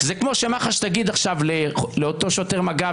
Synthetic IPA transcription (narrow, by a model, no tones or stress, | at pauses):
zekmo̞ʃemaχaʃt̪aɡid̪aχʃavleleot̪oʃoteʁmaɡa